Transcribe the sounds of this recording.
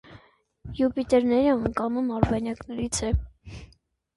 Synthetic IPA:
jupit̪ɛɾnɛɾiɑŋkɑnumɑɾbɑnjɑknɛɾit͡sʰɛ

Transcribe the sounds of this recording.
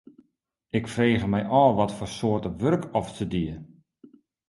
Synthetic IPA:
ɪkfreːɣəmɛjʔɔːlˠʋɔtfɔrsoərtəʋørkɔftədiə

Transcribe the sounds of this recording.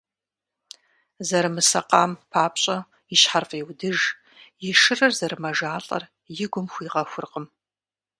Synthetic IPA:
zɐɾɨmɨsɐqaːmpʰaːpɕʼɐ | ɪɕħarfʼeːwdɨʒ | jɪʂɨrɐrzɐɾɨmɐʒaːɬʼɐ̰r | jɪɡʷʊmxʷiːʁɐxʷʊrqʼəm

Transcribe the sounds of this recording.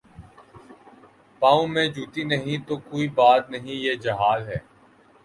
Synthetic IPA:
paːũmẽd͡ʒʱuːt̪inɐɦĩt̪oːkoːibaːt̪̚nɐɦĩjeːd͡ʒɐɦaːzɦɛː

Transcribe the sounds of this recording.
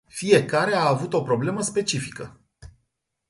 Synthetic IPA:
fije̞kaɾe̞aːvut̪o̞pɾo̞ble̞məspe̞t͡ʃifi̥kə

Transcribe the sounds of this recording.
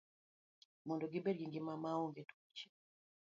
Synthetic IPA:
mɔndɔɡibɛdɡiŋɡimamaoŋɡɛtu̥kut͡ʃi̥

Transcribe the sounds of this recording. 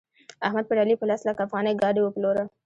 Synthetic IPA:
ahmad̪̚pəɖalipəlaslakafɣɑneɡɑɖiwəploɾa

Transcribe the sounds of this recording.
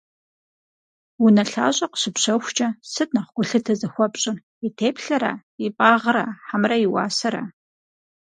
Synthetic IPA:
wunɐɬa̰ːɕʼɐqə̥ɕɪpɕɐwxʷt͡ʃʼɐsɨtʼnɐχɡʷʊɬɨtʰɐzɐxʷɔpʼɕʼɪ | itʰeːpɬɐɾa̰ː | ipʼaːʁraːħamrɐjiwa̰ːsɐɾa̰ː

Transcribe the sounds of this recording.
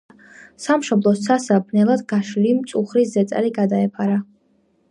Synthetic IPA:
samʃɔblˠɔstsʰasabnɛlˠad̪ɡaʃlimt̪sʼuχɾiszɛt̪sʼɛ̰liɡad̪aɛpʰaɾa

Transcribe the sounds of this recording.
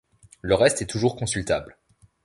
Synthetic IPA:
ləʁɛst̪ɛt̪uʒuʁkɔ̃sylt̪abl

